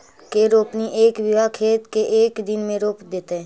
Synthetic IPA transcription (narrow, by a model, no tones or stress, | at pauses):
keɾoːpniʔeːkʋɪʋakʰeːt̪keʔeːkd̪ɪnmẽɾoːp̪d̪eːt̪eɦɛ̃ː